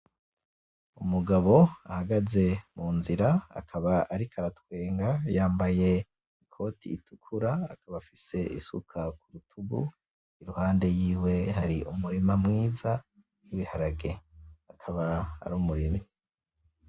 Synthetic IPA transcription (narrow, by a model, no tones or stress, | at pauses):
umuɡaβo̞ahaɡaze̞muːnziɾaa̰kʰaβaʔaɾikʰaɾatwe̞ːŋɡajaːmbaje̞ | ikʰo̞ːtʰḭːtukʰuɾa̰ːkʰaβafise̞ḭsṵkʰakuɾutʰuɡṵ | iɾuhaːnde̞jiːwe̞ɦaɾiʔumuɾimamŋiːza | jiβihaɾaɡe̞akʰaβaa̰ɾuːmuɾimi